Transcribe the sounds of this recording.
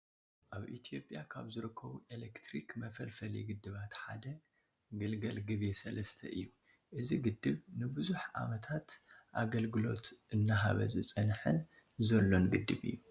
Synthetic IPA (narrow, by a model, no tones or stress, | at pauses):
ʔaβʔḭt̪ʰijo̞pʼjakʰaβzɨɾɨkʰːɐβuʔelekt̪ɾikmɐfɐlfɐliɡɨd̪ːɨβat̪ħad̪ɐ | ɡɨlɡɐlɡɨβe̞sɐlɐst̪ʰɐʔɨjːu | ʔɨziɡɨd̪ːɨβnɨbɨzuħʔa̰mɐt̪ʰat̪ | ʔaɡɐlɡɨlo̞̰t̪ʔɨnːaɦaβɐ̰zɨsʼɨnħɨn | zɐlːo̞nɡɨd̪ːɨβɨ̰jːu